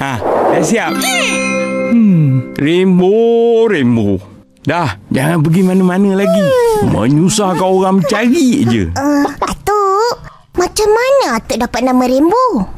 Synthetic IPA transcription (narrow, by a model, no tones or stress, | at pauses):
ahdasiap̚ | remboɾembo | dahd͡ʒaŋanp̬əɡimanəmanəlaɡimə̰ɲusahkaoɾaŋməɲt͡ʃaɾiʔd͡ʒə̰əat̪u | mat͡ʃamːanaat̪uʔdapat̪̚namə̃ɾembo